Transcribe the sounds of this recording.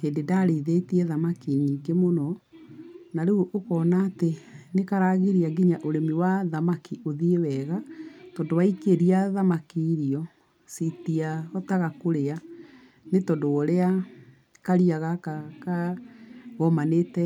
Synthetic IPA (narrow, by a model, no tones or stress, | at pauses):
heːndedaɾeðetiɛðamakiɲiːŋɡemonɔ | naɾeuʔokɔːnaːtenekaɾaɣeɾiaɡiɲaʔoɾemiwaðamakiʔoðiewɛɣatɔːndowaikeɾiaðamakiːɾiɔ | sitiaɣɔtaɣakoɾea | netɔndowɔɾea | kaɾiaɣakaka | ɣɔmanetɛ